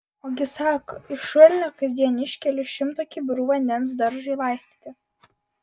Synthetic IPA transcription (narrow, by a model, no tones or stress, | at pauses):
oːɡʲɪsɑːko̰ːɪʃuɔlʲɪnʲoːkɐzʲd̪ʲiɛnʲɪʃʲkʲɛlʲʊʃʲɪmt̪oːkʲibʲʊɾuːʋɐnʲd̪ʲɛns̬d̪ɐɾʒʲʊɪlˠɑˑɪsʲt̪ʲiːt̪ʲɪ